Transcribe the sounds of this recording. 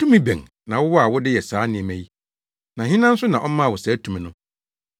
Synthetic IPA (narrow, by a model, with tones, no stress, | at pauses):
tũ˦mĩ˦bɛ̰̃˨ŋ | nã˨wʊ˦wɔ˦a˨wʊ˦dɪ˦jɛ˨saː˨˦nɪ̃˨ɛ̃˨mæ̃˨ji˦ | nã˨ɦĩ˦nã˦n̩˦sʊ˦nã˨ʔɔ˦mã˦˨wʊ˨sɛ˨˦tʰũ˨mĩ˨nʊ̃˦